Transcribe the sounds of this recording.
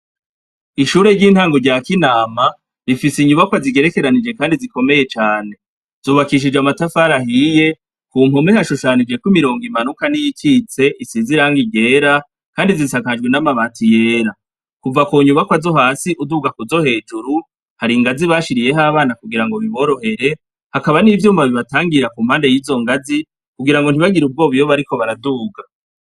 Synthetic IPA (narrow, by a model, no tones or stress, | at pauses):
iʃuːɾe̞ɾɟiːn̥haːŋɡo̞ɾɟaːkinaːma | ɾifisiɲuβakwaziɡe̞ɾe̞ke̞ɾanid͡ʒe̞kaːndiziko̞me̞je̞t͡ʃaːne̞ | z̥uːβakiʃ̬id͡ʒamatafaːɾahije̞ | kumho̞mehaʃuʃaːnid͡ʒe̞kwimiɾo̞ːŋɡimanukanijikit͡se̞ʔisiziɾaːŋɡiɟe̞ːɾa | kaːndizisakad͡ʒɡwenamaβaːtije̞ːɾa | kuvakoɲumakwazo̞ɦaːsiʔuduːɡakuzo̞he̞ːd͡ʒuɾu | haɾiŋɡaziβaːʃiɾije̞ɦaːβaːnakuɡiɾaŋɡo̞βiβo̞ːɾo̞he̞ɾe̞ | hakaβanivjuːmaβiβataːŋɡiɾakum̥haːnde̞jiːzo̞ŋɡazi | kuɡiɾaŋɡon̥iβaɡiɾub̚ɡo̞ːβujoβaɾiko̞βaɾaduːɡa